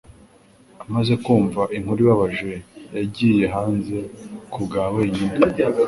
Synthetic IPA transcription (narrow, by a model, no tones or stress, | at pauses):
amaze̞kuːɱvaʔiŋhuɾiβaβaʒwe̞jaɟiːje̞ɦaːnze̞kʰubɡaːweiɲina